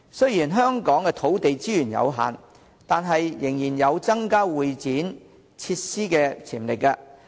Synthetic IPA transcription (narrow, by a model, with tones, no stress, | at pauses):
sɵ˥jiː˨˩nɦœː˥ŋkɔː˨˥ŋkɛː˧t̪ʰo˨˥wt̪e˨jt͡siː˥jyː˨˩njɐ̰˨˧wɦa̰ː˨n | t̪aː˨nɦɐ˨jːɪ˨˩ŋjiː˨˩njɐ˨˧wt͡sɐ˥ŋkaː˥wuː˨jt͡siː˨˥n | t͡sʰiː˧t̚siː˥kɛː˧t͡sʰiː˨˩mlɪ˨k̚ːaː˧